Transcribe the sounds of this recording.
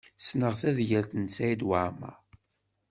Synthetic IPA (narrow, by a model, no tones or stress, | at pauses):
snəʁθæðjəlt̪ənt͡sːæjid̪waʕmæ̰